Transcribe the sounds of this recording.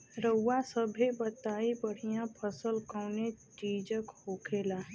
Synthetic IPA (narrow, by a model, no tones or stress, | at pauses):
ɾəwːasəbʱebət̪aːibəɽ̤ijãpʰəsəlkəwneʈiːd͡ʒəkhokʰeːlaː